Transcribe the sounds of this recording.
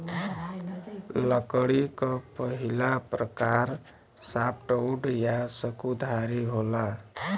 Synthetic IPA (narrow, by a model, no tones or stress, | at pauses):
ləkəɽikəpəɦilapɾəkaɾ | sap̚ʈəwɖjasəkud̪ʱaɾiɦola